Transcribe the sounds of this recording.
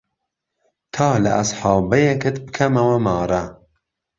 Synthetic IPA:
t̪ʰɑːlɐ̰ʔɐsˤħɑːbɐjɛkɨt̪bɨkʰɐmɐwɐmɑːɾɐ

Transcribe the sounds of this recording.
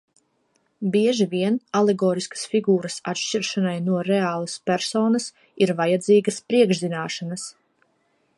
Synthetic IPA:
biɛʒiviɛnalɛɡɔːɾiskɐ̥sfiɡuːɾɐsa̰t̪ʃʲt͡ʃiɾʃanajnuɔɾɛaːlˠɐspʲæɾsɔːnɐs | iɾvajad̪ziːɡɐspɾiɛɡʒzinaːʃanas

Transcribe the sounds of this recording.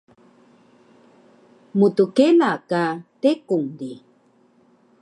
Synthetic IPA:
mutukelakatekuŋdi

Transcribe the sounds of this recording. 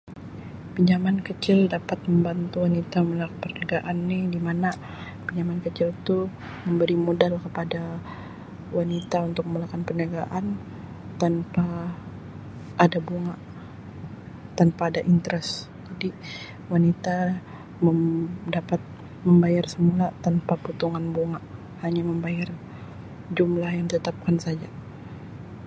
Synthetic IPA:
piɲamankət͡ʃɪldapat̪̚məmbant̪uwanit̪aməməlakpərnəɡaʔanːidimana | piɲamankət͡ʃɪlt̪u | məmbəɾimodalkəpada | wanit̪aunt̪ʊk̚məmulakanpərnaɡaʔan | t̪anpa | ʔːdabuŋaʔ | t̪anpaːdaʔint̪əɾɛs | d͡ʒadi | wanit̪a | mədapat̪̚ | məmbajarsəmulat̪anpaput̪uŋanbuŋaʔ | haɲaməmbajar | d͡ʒumlahjaŋd̪it̪ət̪ap̚kansad͡ʒa

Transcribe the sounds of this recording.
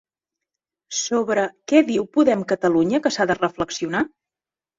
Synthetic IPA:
soβɾəkɛðiwpuðɛmkət̪əluɲəkəsaðərəfləksiuna

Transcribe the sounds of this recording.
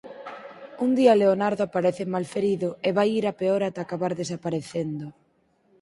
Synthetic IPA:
und̪iɐleonaɾðoapaɾeθemalfeɾiðʊeβajiɾapeoɾat̪aːkaβaɾðesapaɾeθend̪ʊ

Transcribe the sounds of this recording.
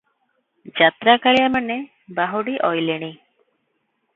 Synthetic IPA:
d͡ʒat̪ɾakaɭijamane | baɦuɽiʔɔjleɽ̃i

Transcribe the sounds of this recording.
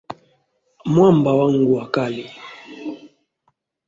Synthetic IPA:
mwambawaŋɡuakali

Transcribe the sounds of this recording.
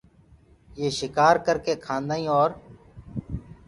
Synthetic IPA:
jeːʃɪkaːɾkəɾkeːkʰãːnd̪aːĩːoːɾ

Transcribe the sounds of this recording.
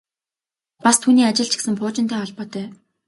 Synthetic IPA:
past̪ʰuːniːat͡ɕɪ̆ɮt͡ɕʰɪ̥̆ksɘ̆mpʰʊːt͡ɕɪ̆nt̪æːɔɮpɔːt̪œː

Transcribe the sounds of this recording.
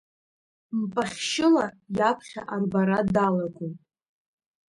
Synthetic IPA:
mpʼaχʲʃɪla | japʰχʲa̰ʔarbaɾadalaɡʷʼum

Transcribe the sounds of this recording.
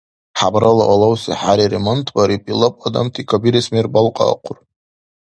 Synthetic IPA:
ħabɾalaʔalawsḭħaɾiɾemontʰbaɾipʼilapʷʼad̪a̰mtʰikʰabiɾesmerbalqʼa̰ːqʷʰʊr

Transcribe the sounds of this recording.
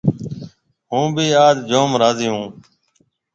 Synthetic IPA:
ɦũːbiːaːd͡ʒd͡ʒoːmɾaːziːũː

